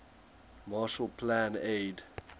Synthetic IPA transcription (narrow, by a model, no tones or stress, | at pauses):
maˑʃəlpʰlãned